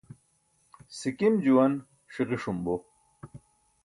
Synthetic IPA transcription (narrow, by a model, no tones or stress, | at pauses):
sikimd͡ʑuwɐn | ʂiʁiʂumbo